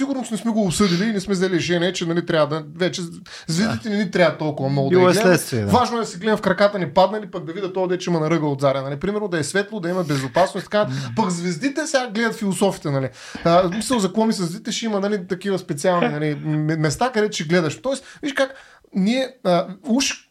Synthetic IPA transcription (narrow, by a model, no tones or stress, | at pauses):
siɡʊɾnosnɛsmɛɡoːpsɤd̪iliːnɛsmɛzɐlʲiʒɛnɛt͡ʃɛnɐlit̪ɾʲavəd̪ɐvɛt͡ʃɛ | zvɛzd̪it̪ɛnɛnit̪ɾʲaɐt̪ːɔlˠkʊvɐmnɔɡʊd̪lɛdlɛt̪viɛvaʒnoɛd̪ɐsɛɡlɛd̪ɛfkɾɐkat̪ənɛpad̪nɐlipɐɡ̚d̪ɐvid̪ɐt̪ɔd̪ɛt͡ʃɛimɐnɐɾɤɡəod̪zaɾʲjɐnɐlipɾimɛɾnod̪ɐɛsvɛt̪lˠod̪ɐimɐbɛzopasnosit̪ɐ̥kapɐkzvɛzd̪it̪ɛsʲɡaɡlɛd̪ɐt̪filˠosɔfit̪ɛnɐli | əsmisəlˠzɐkɔmisɐzvd̪it̪ɛʃɛimɐnɐlit̪ɐkivɐspɛt̪sialˠninɐliɛmɛst̪akɐd̪ɛt̪ʊ̥ʃɛɡlɛd̪ɐʃt̪ɔɛsviʃkak | niɛəuʃ